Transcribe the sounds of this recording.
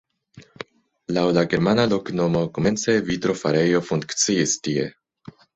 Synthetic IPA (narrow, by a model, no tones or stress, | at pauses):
lawlaɡeɾmanaloknomokoment͡ssevitɾo̞faɾejo̞fuŋkktt͡siistiḛ